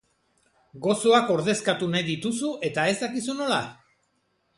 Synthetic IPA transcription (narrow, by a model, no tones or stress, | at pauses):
ɡo̞so̞ako̞ɾðe̞skat̪unajðit̪usuʔe̞t̪ae̞zd̪akisuno̞la